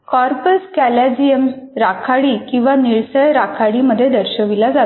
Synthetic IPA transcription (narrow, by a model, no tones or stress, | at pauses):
kɔɾpəskæləd͡ʑiəmɾakʰaɽikĩw̃ʋaniɭsəjɾakʰaɽiməd̪ʱːjed̪əɾɕəʋilad͡za